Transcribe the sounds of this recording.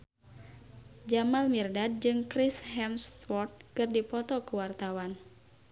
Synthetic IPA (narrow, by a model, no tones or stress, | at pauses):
d͡ʒamalmirdad̚d͡ʒɨŋkɾishɛmst̪wɔrt̪̚kɨrdipɔt̪ɔkuwart̪awan